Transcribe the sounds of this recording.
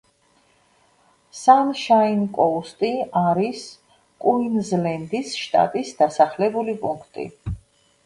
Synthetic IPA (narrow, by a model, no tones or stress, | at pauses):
sanʃainkʼɔust̪ʼiaɾis | kʼuinzlɛnd̪isʃt̪ʼa̰t̪ʼisd̪̥asaχlɛbulipʼuŋkʰt̪ʼḭ